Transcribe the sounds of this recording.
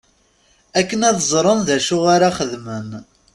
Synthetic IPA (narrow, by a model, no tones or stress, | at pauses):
ækːənæðzˤɾˤənðæʃʊʁaɾaχəðmən